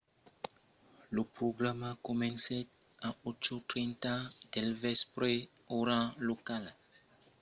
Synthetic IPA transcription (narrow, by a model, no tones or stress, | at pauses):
ləpɾoɡɾamakɔmɛ̃nseaot͡ʃot̪ɾɛ̃ntãd̥ɛlvɛspɾeoɾãlokal